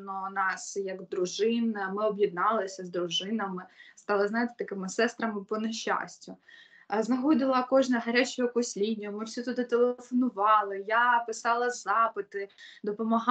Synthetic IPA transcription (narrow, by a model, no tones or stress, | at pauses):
nɔnɑsjɐɡd̪ɾʊʒɪnmɪɔbjid̪̚nɑlˠɪsʲɐzd̪ɾʊʒɪnɐmɪst̪ɑlˠɐznɑjɪt̪e̥t̪ɐkɪmɪsɛst̪ɾɐmɪpɔneʃːaɑ̰sʲtʲʊ | znɐɦɔd̪ɪlˠɐkɔʒnɐɦɐɾʲat͡ʃɔjɔkɔsʲlʲinʲːɐmɪwsʲit̪ʊd̪ɪt̪elˠefɔnʊʋɑlˠɪjapɪsɑlˠɐzɑpɪt̪ɪd̪ɔpɔmɐɦ